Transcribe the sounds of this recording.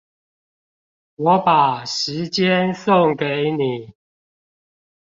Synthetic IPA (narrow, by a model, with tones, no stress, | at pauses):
wɔ˨˦pa˨˩ʂɻ̩˨˦t͡ɕjɛ˦nso˥˨ŋke˨˦ɪni˨˩˦